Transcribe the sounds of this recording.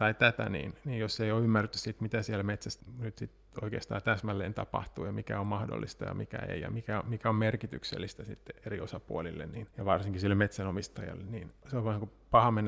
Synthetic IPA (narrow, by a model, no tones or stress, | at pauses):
t̪ɑit̪æt̪æ̰nḭːnniːjosːeijoymːært̪ːy̥ssit̪mit̪æsiælmet̪sæsnyt̪sit̪ | o̰ikḛːst̪ɑ̰ːt̪æsmælːeːnt̪ɑpɑ̰ht̪uːjɑmikæ̰ommɑhdo̰lːist̪ɑ̰jɑ̰mikæ̰ḛijɑ̰mikæomikæommerkit̪yksḛlːist̪æsḭt̪ːeeriosɑpuolilːḛnniːnjɑʋɑrsiŋkisilːmet̪sænomist̪ɑjɑ̰lːeniːnseoʋɑnŋku | pɑhɑmenː